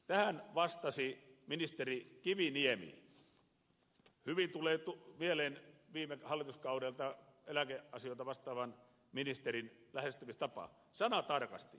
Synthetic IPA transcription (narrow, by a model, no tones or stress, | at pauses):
t̪æhænʋɑst̪ɑsiminist̪erikiʋiniemḭ | hyʋint̪uleːt̪umieleːnʋiːmˑehɑlːit̪uskɑuɾelt̪ɑelækeʔɑsijŏˑt̪ɑʋɑst̪ɑːʋɑn | minist̪erinlæhest̪ymist̪ɑpɑ̰ | sɑnɑt̪ɑrkɑ̰st̪ḭ